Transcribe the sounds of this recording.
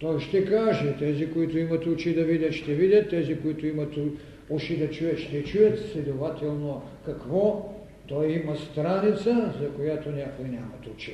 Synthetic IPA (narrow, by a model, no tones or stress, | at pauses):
t̪ɔjʃt̪ɛkaʒɛt̪ɛzikoit̪oimɐt̪ʊt͡ʃid̪ɐvid̪ʲɐt̪ʃt̪ɛvid̪ʲɐt̪ːɛzikoit̪ʊimɐt̪ | uʃid̪ɐt͡ʃujɐt̪ʃt̪ɛt͡ʃujɐt̪sslʲɛd̪ovat̪ɛlˠno | kɐkvɔ | t̪ɔjimɐst̪ɾanit̪sɐzɐkojat̪onʲakojnʲamɐt̪ʊt͡ʃi